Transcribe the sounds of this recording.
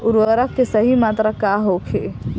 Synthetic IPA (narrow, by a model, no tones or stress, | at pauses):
ʊɾʋəɾəkkesəɦimaːt̪ɾakaɦokʰeː